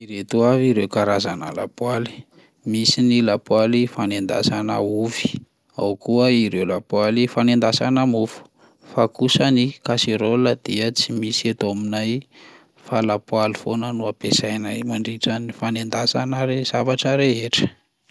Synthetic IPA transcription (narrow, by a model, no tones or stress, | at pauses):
iɾet̪uaviɾewkaɾazana̰la̰pwali̥ | misinilapwalifanend̪a̰sanauvi̥ | a̰wkuəiɾewlapwalifanend̪asanəmufu̥ | fakusənikaseɾoləd̪̥iət͡simisiet̪aminaj | falapwalifonənuapesajnajmaɳɖ͡ʐiʈ͡ʂənifanend̪asanaɾez̥avaʈ͡ʂəɾeeʈ͡ʂə̥